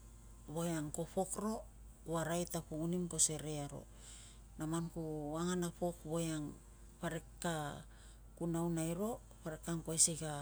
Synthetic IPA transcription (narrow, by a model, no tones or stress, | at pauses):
βojaŋko̞po̞kɾo̞ | uaɾajtapuɡunimko̞se̞ɾeaɾo̞̰ | namankuaŋanapo̞kβojaŋ | paɾe̞kːa | kunawnajɾo̞ | paɾekːaŋkoesika